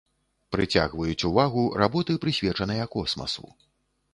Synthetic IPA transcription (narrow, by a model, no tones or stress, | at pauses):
pɾɨt͡sʲa̰ɣvɐjut͡sʲuvaɣurabɔt̪ɨpɾɨsʲvʲɛt͡ʂɐnɐjɐkɔsmɐ̰sṵ